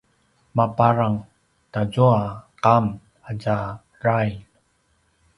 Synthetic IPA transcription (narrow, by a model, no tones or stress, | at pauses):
mapaɾaŋ | tazoaqam | aɟa | raj